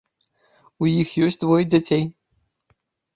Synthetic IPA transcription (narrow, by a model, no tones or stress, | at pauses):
ujixjɔsʲt͡sʲd̪vɔjd͡zʲat͡sʲej